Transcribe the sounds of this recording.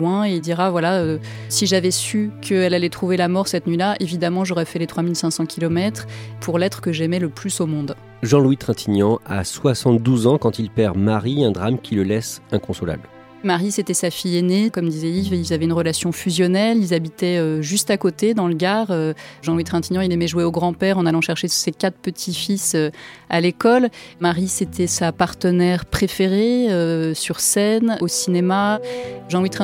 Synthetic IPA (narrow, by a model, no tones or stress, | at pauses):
wɛ̃eild̪iʁavwalaø | siʒavɛsykʰəɛlalɛt̪χuvelamɔʁsɛt̪nɥilaʔevid̪amɑ̃ʒɔʁɛfɛlet̪χwamilsɛ̃sɑ̃kʲʰilɔmɛt̪χpʰuʁlɛt̪χə̥kəʒɛmɛləplysomɔ̃d̪ | ʒɑ̃lwit̪χɛ̃t̪ʰiɲjɑ̃a̰swasɑ̃t̪̚d̪uzɑ̃kɑ̃t̪ilpɛʁmaʁiɛ̃d̪ʁamkʲʰiləlɛsɛ̃kɔ̃sɔla̰bl | maʁiset̪ɛsafijenekɔmd̪izɛivilzavɛynʁəlasjɔ̃fyzjɔnɛlilzabit̪ɛøʒyst̪akot̪ed̪ɑ̃ləɡaʁøʒɑ̃lwit̪χɛ̃t̪inɑ̃ilemɛʒuweoɡʁɑ̃pɛʁɑ̃nalɑ̃ʃɛʁʃesekat̪χpət̪ʰifisøalekɔlmaʁiset̪ʰɛsapaʁt̪ənɛʁpχefeʁeøsyʁsɛnosinemaʒɑ̃wit̪χɛ̃